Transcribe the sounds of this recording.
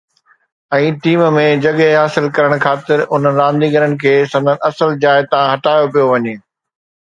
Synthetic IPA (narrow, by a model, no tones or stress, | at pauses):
ɛ̃ːʈiːmmẽd͡ʑɐɠeɦaːsɪlkɐɾəɽ̃kʰaːt̪ɪɾʊn̤ənɪ̆ɾãːnd̪iːɡəɾənɪ̆kʰeːsɐ̃mdənɪ̆ʔɐsəld͡ʑaːɪt̪ɐʋ̤ãɦɐʈaːjopijoʋɐɲeː